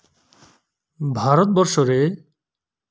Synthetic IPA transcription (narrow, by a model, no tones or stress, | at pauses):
bʱaɾot̪̚bɔɾʃoɾe